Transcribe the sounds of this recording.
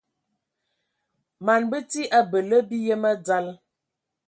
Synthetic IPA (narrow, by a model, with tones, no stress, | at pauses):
ma˨nbə˦ti˦ʔa˦bə˨lə˦bi˦jə˦mə˦d͡za˦l